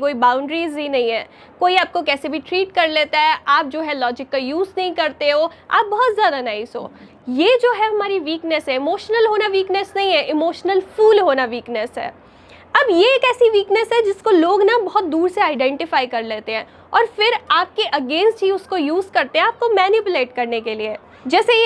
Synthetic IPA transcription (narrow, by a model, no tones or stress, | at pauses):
koːibaːʊ̃ɳɖɾiːzbʱinɐɦĩɦɛ̃ː | koːiaːp̚kokɛːsebʱiʈɾiːʈ̚kɐɾleːt̪aɦɛʔaːp̚d͡ʒoːɦɛlɔːd͡ʒɪkːajuːznɐɦĩkɐɾt̪eɦo | a̰ːp̚bɐɦʊt̪zjaːd̪anaːizɦo̰ː | jeːd͡ʒoːɦɛɦɐmaːɾiʋiːknəsɦɛɪmoːʃnəlɦoːnaʋiːknəsnɐɦĩɦɛʔɪmoːʃnəlfuːlɦoːnaʋiːknəsɦɛ̰ː | ɐbjeeːkɛːsiʋiːknəsɦɛd͡ʒɪskoloːɡnabɐɦʊt̪̚d̪uːɾseaːɪɖɛ̃ːɳʈɪfaːikɐɾleːt̪ẽɦɛ̃ː | ɔːɾfɪɾaːp̚keʔɐɡẽːnsʈɦiʊskojuːzkɐɾt̪ẽɦɛ̃aːp̚komɛːnɪpʊleːʈkɐɾnekelie | d͡ʒɛːse